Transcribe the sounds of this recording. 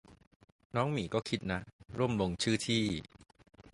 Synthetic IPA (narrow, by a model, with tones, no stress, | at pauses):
nɔː˦˥ŋmiː˨˩˦kɔː˥˩kʰi˦˥t̪̚na˦˥ɾu˥˩əmlo˧ŋt͡ɕʰɯː˥˩t̪ʰiː˥˩